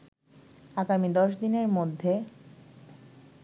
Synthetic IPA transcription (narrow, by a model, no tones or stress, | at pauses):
aɡamid̪ɔʃ̬d̪ineɾmod̪ʱːe